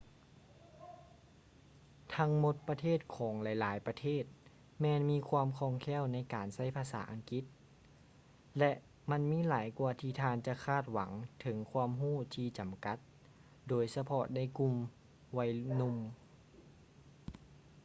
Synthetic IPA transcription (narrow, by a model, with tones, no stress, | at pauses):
t̪ʰa˧˥ŋmo˧˦t̪̚pa˧t̪ʰeː˥˩t̪̚kʰɔː˩˦ŋlɛ˨˦jlaː˩˦jpa˧t̪ʰeː˥˩t̪̚ | mɛː˧nmiː˧˥˨kʰwaː˧mkʰɔː˧˩ŋkʰɛː˧˥˨wna˧˥˩jkaː˨nsa˥˩jpʰaː˧sa̰ː˩˦ʔa˨ŋki˧˦t̪̚ | lɛ˧ʔ | ma˧˥˨nmiː˧˥˨laː˨˩˦jkuː˧ɐt̪ʰiː˧t̪ʰaː˧nt͡ɕa˧˦kʰaː˧˥˩t̪̚wa˩˦ŋt̪ʰɤ˩˦ŋkʰwaː˧əmɦuː˥˩˨t̪ʰiː˧t͡ɕa˨mka˨˧˥t̪̚ | doː˨˩jsa˧pʰɔ˧da˧˥˩jku˧m | wa˧˩jnu˧˨m